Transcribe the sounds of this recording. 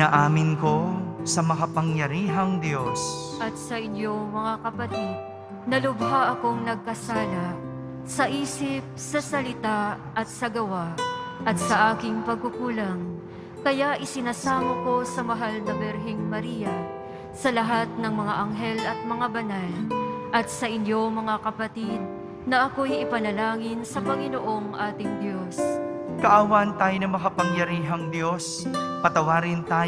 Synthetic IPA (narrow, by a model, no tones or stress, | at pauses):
aʔaːmɪnko̞sɐmɐkɐpɐŋjɐɾiːɦɐŋd̪josʔɐt̪̚sɐʔɪɲjo̞mɐŋakɐpɐt̪id̪̚ | nɐlʊbɦaʔɐko̞ŋnɐɡ̚kɐsaːlɐ | sɐʔiːsɪp̚sɐsɐlɪt̪a | ʔɐt̪̚sɐɡɐwaʔɐt̪̚sɐʔaːkɪŋpɐɡ̚kʊkuːlɐŋ | kɐjaʔɪsɪnaːsaːmɐko̞sɐmɐɦalnɐbɛɾɦɪŋmɐɾiːjɐ | sɐlɐɦat̪̚nɐŋmɐŋaʔɐŋɦɛlɐt̪̚mɐŋabɐnalʔɐt̪sɐʔɪnjo̞mɐŋakɐpɐt̪id̪̚ | nɐʔɐko̞jʔɪpɐnɐlaːŋɪnsɐpɐŋɪnoʔo̞ŋʔaːt̪ɪŋd̪jo̞skɐʔaːwant̪aːjonɐŋmɐkɐpɐŋjɐɾiːɦɐŋd̪jo̞s | pɐt̪ɐwaːɾɪnt̪aː